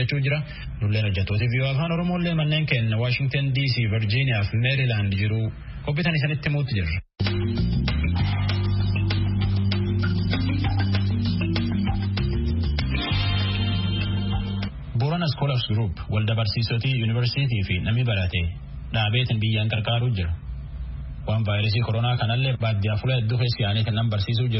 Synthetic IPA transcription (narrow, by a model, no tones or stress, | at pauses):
ɛt͡ʃːuːd͡ʒɪɾɐ | nʊlːeːnɔd͡ʒːɐt̪ːoːt̪ɪviːʔoːfaːnɔɾɔmo̞ːlːe̞ːmɐnːe̞ːŋkɛnːɐwaːʃɪŋɡ̚t̪ɐnd̪iːsiːvɪɾd͡ʒiːnɪjaːfmɛɾɪlaːnd̪d͡ʒɪɾu | kɔp̬ːiːt̪ɐnɪs̬ɐnɪt̪ːɪmuːt̪ːɪd͡ʒɪrːɐ̥ | bʊɾɐnɐskolɐfsɡɾuːpwʔɐld̪ɐbɐɾsiːsɔt̪iːjuːnɪvɛɾsiːt̪̬iːfɪnɐmɪbɐɾɐt̪ɛ | ᶑaːbe̞ːt̪ɪnbɪjːaːŋkʼɐɾkʼaːɾuːd͡ʒɪɾɐ | waːnvaːjɾɐs̬iːkɔɾɔnaːkɐnɐlːɛbaːd̪ːɪjaːfʊlɐɛd̪ːuːkeːsːɪjaːnɛt̪ɪnɐmbɐɾsiːs̬uːd͡ʒɪɾ